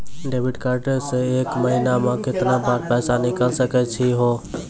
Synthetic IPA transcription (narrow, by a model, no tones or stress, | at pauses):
ɖeːʋɪɖkaɾʈəseeːkməɦinamãkɪt̪nãbaːɾpɛːsanikəlsəkɛt͡ʃʰiɦoː